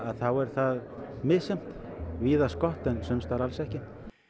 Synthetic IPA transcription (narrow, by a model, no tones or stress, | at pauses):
aðθawɛɾ̥θaðmɪðsjɛm̥t̪ | viːðaskɔht̪ɛnsʏmst̪aɾalsɛhcɪ